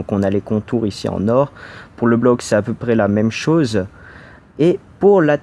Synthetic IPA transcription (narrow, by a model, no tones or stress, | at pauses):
kɔ̃nalekɔ̃t̪uʁisḭɑ̰̃nɔʁpuʁləblɔksɛapøpχɛlamɛmʃoz | epuʁla